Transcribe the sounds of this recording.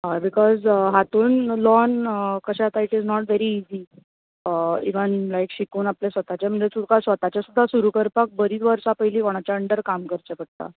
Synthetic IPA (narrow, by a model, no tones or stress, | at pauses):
ɦabikɔzɦat̪uːnlɔnkəɕat̪aiʈiznɔʈʋeɾiːzi | əiʋənlajkɕikuːnaplesʋət̪at͡ɕem̤əɳd͡ʑet͡suɽkasʋət̪at͡ɕasud̪ʱːasuɾukəɾpak̚bəɾiːt̪ʋəɾsapəjliːkoɽ̃at͡ɕaəɳɖəɾkamkəɾt͡ɕɛpəɽ̚t̪a̰